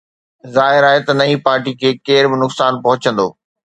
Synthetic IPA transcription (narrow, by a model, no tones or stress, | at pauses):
zaːɦɪɾaːɦet̪ɐnɐĩpaːɾʈikʰeːkeːɾbɪnʊksaːnpɐɦʊt͡ɕə̃nd̪oː